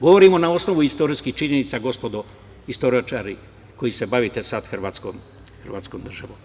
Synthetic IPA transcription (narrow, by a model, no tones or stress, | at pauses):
ɡo̞ʋoɾimo̞nao̞sno̞ʋuist̪o̞ɾiskiht͡ʃiɲe̞nit̪saɡo̞spo̞d̪o | ist̪o̞ɾiat͡ʃaɾi | ko̞jise̞baʋit̪esad̪xrʋaːt̪sko̰m | xrʋaːt̪sko̞md̪r̩ʒaʋom